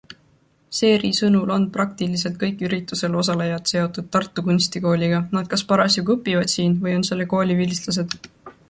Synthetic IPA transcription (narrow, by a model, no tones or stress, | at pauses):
se̞ːɾisɤnulo̞nprɑk̚t̪ilis̬e̞lt̪̚kɤjkːˑyɾit̪ːˑuse̞lo̞s̬ɑlejɑt̪se̞o̞t̪ːˑud̪̥̚t̪ɑrt̪ːˑukunʲst̪iko̞ːlʲiɡ̥ɑnɑd̪̥̚kɑspɑɾɑsjukɤpːˑivɑd̪̥siːnvɤjo̞nse̞lːe̞ko̞ːlʲivilʲislɑs̬e̞d̪̥